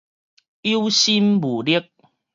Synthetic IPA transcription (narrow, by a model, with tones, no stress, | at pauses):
i˦wɕi˦mbu˨˩li˦˥ək̚